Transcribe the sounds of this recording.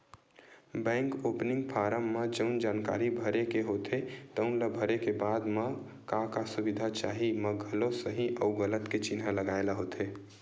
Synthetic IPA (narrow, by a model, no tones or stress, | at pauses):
bɛ̃ŋkopniŋɡpʰaɾəmːəd͡ʒəʊnd͡ʒanka̰ɾibʱəɾekeɦot̪ʰet̪əʊnlabʱəɾekebad̪mə | kakasubid̪ʱat͡ʃaɦiməɡʱəlosəɦiʔəʊɡələt̪ket͡ʃinɦaləɡaelaɦot̪ʰe